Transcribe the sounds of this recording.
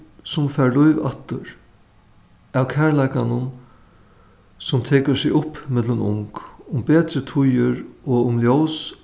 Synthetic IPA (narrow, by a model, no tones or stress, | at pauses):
sʊmfæːɾlʊjʋa̰ht̪əɾ | awkʰæɹlajkanʊn | sʊmt̪ʰeːkəsɪʊpmɪt̪lənʊ̰ŋkʊmbeːt̪ɾət̪ʰʊjəɾɔʊmljows